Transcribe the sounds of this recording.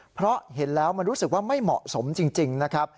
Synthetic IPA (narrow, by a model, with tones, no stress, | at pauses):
pʰɾɔ˦˥ɦe˩˦nlɛː˦˥wma˧nɾuː˦˥sɯ˨˩k̚waː˥˩ma˥˩jmɔ̰˨˩ʔso˩˦mt͡ɕi˧ŋt͡ɕi˧ŋna˦˥kʰɾa˦˥p̚